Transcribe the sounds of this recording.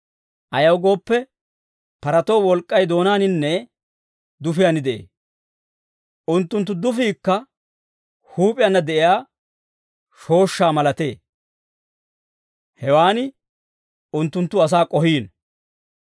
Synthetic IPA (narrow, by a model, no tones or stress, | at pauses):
ʔɐjɐwɡo̞ːpːɛ | pɐɾɐt̪oːwɔlkʼːɐjd̪o̞ːnaːnɪnːɛ | d̪ʊfɪjanɪd̪ɛʔḛː | ʊnt̪ːʊnt̪ːʊd̪ʊfiːkːɐ | huːpʼɪjɐnːɐd̪ɛʔɪjaː | ʃo̞ːʃːaːmɐlɐt̪e̞ː | hɛwaːnɪ | ʊnt̪ːʊnt̪ːʊɐs̬aːkʼɔhiːn